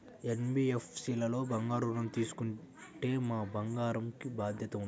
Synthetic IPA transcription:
enbiːefsiːlɐlo̞ːbɐŋɡaːɾunɐmt̪iːsu̥kuɳ | ʈe̞ːmaːbɐŋɡaːɾɐmkibaːd̪ʱjɐt̪ɐun

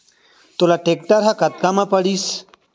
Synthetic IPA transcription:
t̪olaʈek̚ʈaɾɦakɐt̪̚kamãpɐɽiːs

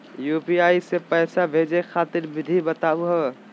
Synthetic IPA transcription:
jupiaisepəːsabʱed͡ʒexʰaːt̪iɾbɪd̪ʱibət̪abuɦə

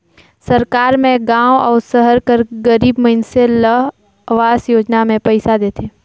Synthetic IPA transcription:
səɾkaːɾmẽɡãːwɔːɾsəɦəɾkəɾɡəɾiːbməɦɪnselə | ʋaːzjoːd͡ʒnamẽpəɪsad̪eːt̪ʰeː

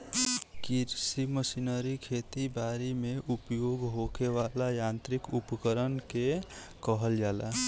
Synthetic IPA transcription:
kiɾsiməsinəɾikʰet̪ibaɾimeʔupjoɡɦokewalajãnt̪ɾikupəkəɾənkekəɦəld͡ʒala

